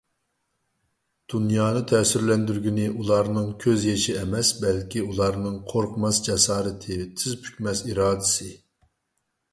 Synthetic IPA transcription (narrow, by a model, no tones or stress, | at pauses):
d̪̥unjɑːnɨt̪ʰɛsyɾlɛnd̪yɾɡʲinɪʔulˠɑɾnɨŋkʲʰøzjeʃiɛmɛsbɛlkʲiulˠɑɾnɨŋqʰoɾqʰmɑsd͡ʒɛsɑːɾɨt̪ʰɨt̪ʰɪzpʰy̥kʲmɛsiɾɑːd̪ɪsɨ